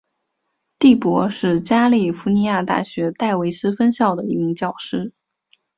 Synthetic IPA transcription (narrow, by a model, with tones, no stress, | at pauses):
t̪i˥˩pwɔ˧˥ʂɻ̩˥˩t͡ɕja˥li˥˩fu˧˥ni˧˥ja˥˧t̪a̰˥˩ɕɥɛ˧˥t̪a˥˩ɪwe˧˥ɪʂɻ̩˥fə˥nɕjɑ˥˩ʊd̪ə˩i˧˥mi˧ŋt͡ɕjɑ˥˩ʊʂɻ̩˥